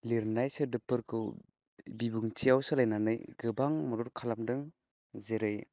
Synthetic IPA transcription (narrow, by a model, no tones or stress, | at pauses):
liɾnajsɯdɯpɯɾkʰɯw | bibuŋt͡ʃijawsɯlajnanɯjɡɯbaŋmɔɾuɾkʰalamdɯŋ | zeɾɯj